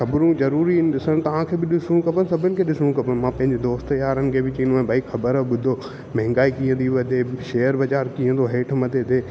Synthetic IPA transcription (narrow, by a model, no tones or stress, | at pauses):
kɐbɾũzɐɾuːɾinɗɪsəɽ̃ɪ̆t̪ɐʋ̤ãkʰeːbɪɗɪsʊɽ̃ũkɐpənɪ̆sɐbʱənɪ̆kʰeːɗɪsʊɽ̃kɐpənɪ̆mãːpɐ̃ɦɪ̃ɲd͡ʑed̪oːst̪jaːɾənɪ̆kʰeːbɪt͡ɕɐ̃ːnuãːbʱaːixɐbəɾəɓʊd̪ʱo | mɛ̃ɦɪ̃ŋ̆ɡaːikĩːə̃t̪iʋɐd̪ʱeʃeːjəɾbɐd͡ʑaːɾkĩːə̃t̪ʰoɦeːʈʰmɐd̪ʱet̪ʰeː